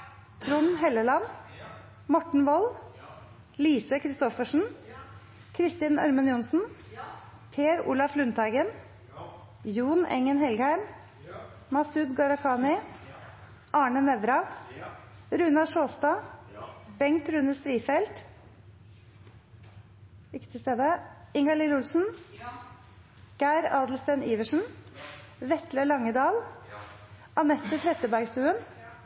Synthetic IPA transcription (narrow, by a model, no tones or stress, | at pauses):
t̪ʰɾʊnhɛləlɑn | mɔʈɳ̩ʋɔl | liːsəkʰɾɪst̪ɔfəʂɳ̩ | kʰɾɪst̪ɪnœ̰ɾmənjʊnsn̩ | pʰeːɾṵːlɑflʉnt̪ʰæɪɡən | juːnɛ̰ŋənhɛlɡhæɪm | mɑsʉd̪ɡɑɾɑkʰɑːnɪ | ʔɑːɳənɛd̪ɾɑʋ | ɾʉːnɑʂoːst̪ɑː | bɛŋt̪ɾʉnəst̪ɾiːfɛlt̪ | ɪkːə̥t̪ʰɪst̪eːd̪əɪŋɑliːɾʊlsn̩ | ɡ̥æɪɾɑːd̪l̩st̪æniːʋəʂn̩ | ʋɛt̪ləɭɑŋəd̪ɑːl | ʔɑnɛt̪ːət̪ʰɾɛt̪əbæɾɡsʉːən